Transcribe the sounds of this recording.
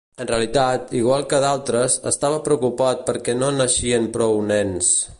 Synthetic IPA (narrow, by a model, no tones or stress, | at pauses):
ənreəlit̪at̪iɣ̞walˠkəðalˠt̪ɾəzə̰st̪aβ̞əpɾəukupat̪̚pəɾkɛnonəʃiənpɾɔwnɛns